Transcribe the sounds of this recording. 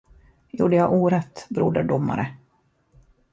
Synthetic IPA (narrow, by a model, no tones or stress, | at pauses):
jṵːɖəjaʔuːɾɛt̪bɾuːɖ̪əɖʊmːa̰ɾə